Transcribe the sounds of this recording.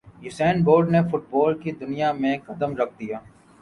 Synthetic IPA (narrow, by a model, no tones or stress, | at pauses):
jʊsɛːnboːɾɖnefʊʈ̚bɔːlkid̪ʊnijamẽkɐd̪əmɾɐkʰd̪ijaː